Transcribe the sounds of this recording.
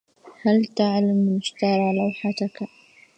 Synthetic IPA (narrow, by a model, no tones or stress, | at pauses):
halt̪aʕlamːɪnɪʃt̪ɑɾˤɑlawħat̪aka